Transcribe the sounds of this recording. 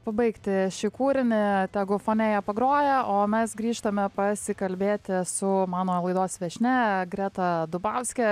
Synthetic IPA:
pɐbɐɪkt̪ʲɪʃʲɪkuːɾʲɪnʲɪt̪ʲæːɡʊfoːnʲejɛpɐɡɾoːjɛʔoːmʲɛsɡɾʲiːʃt̪ɐmʲɛpɐsʲɪkɐlʲbʲeːt̪ʲɪsʊmɑːnoːlˠɐɪd̪oːsʋʲɛʃʲnʲɛɡɾʲæːt̪ɐd̪ʊbɑʊsʲkʲɛ

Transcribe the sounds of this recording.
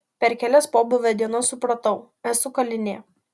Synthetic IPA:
pʲɛɾkʲæːlʲɛspoːbʊʋʲɛd̪ʲiɛnossʊpɾɐt̪ɐʊ | ɛsʊkɐlʲɪnʲeː

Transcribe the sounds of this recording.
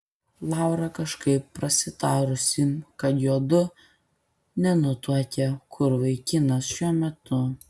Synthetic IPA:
lˠɑˑʊɾɐkɐʃkɐɪpːɾɐsʲɪt̪ɑːɾʊsʲɪmkɐt̪joːd̪ʊ | nʲɛnʊt̪uɔk̪ʲɛkʰʊɾʋɐɪkʲɪnɐsʃʲuɔmʲɛt̪ʊ

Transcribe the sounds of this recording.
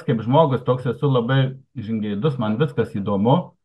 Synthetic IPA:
kɐɪpʒmoːɡʊst̪oːksɛsʊlˠɐbɐɪʒʲɪŋɡʲɛɪd̪ʊsmɐnʋʲɪskɐsiːd̪oːmʊ

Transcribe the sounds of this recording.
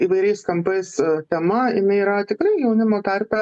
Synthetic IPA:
iːʋɐɪɾʲɛɪskɐmpɐɪst̪ʲɛmɐɪnɐiːɾɐt̪ʲɪkɾɐɪjɛʊnʲɪmoːt̪ɐrʲpʲɛ

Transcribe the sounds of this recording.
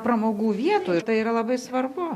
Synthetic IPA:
pɾɐmoːɡuːʋʲiɛt̪oːjʊt̪ɐɪiːɾɐlˠɐbɐɪsʋɐrbʊ

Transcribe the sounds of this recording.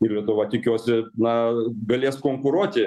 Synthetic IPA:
ɪrlʲiɛt̪ʊʋɐt̪ʲɪkʲuɔsʲɪnɐɡɐlʲeːskoːŋkʊɾuɔt̪ʲɪ

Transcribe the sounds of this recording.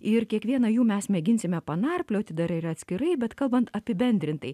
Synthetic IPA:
ɪɾkʲiɛkʋʲiɛnɐjuːmʲɛsmʲɛɡʲɪnʲsʲɪmʲɛpɐnɑrpʲlʲoːt̪ʲɪd̪ɐɾɪɾɐt̪ʲsʲkʲɪɾɐɪbʲɛt̪kɐlˠbɐnt̪ɐpʲɪbʲɛnʲd̪ʲɾʲɪnt̪ɐɪ

